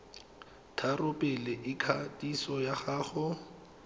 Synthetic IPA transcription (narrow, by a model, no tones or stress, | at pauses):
tʰarʊpʼɛlɪʔɪkʰatʼisɔjaχaːχʊ